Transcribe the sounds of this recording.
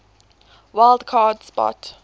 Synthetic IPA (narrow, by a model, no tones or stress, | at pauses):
waɪldkʰɑːdspɔ̰t